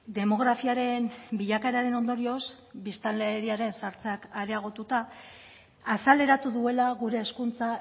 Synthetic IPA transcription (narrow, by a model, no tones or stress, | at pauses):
d̪e̞mo̞ɣ̞ɾafiaɾe̞nbiʎakaeɾaɾe̞no̞nd̪o̞ɾio̞s | bist̪aleːɾiaɾe̞nsaɾt͡sakaɾeaɣ̞o̞t̪ut̪aː | sale̞ɾat̪uðue̞laɣuɾe̞ːskunt͡sa